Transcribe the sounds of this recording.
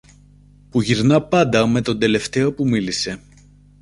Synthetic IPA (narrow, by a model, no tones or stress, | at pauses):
puʝiɾnɐpɐnd̪ɐme̞t̪o̞nd̪e̞le̞ft̪e̞o̞pumilise̞